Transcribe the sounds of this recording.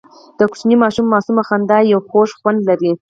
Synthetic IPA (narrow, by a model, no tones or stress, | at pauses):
d̪̥əku̥t͡ʃnimɑʃumːɑsumaxand̪ɑjawxoʃxwand̪laɾi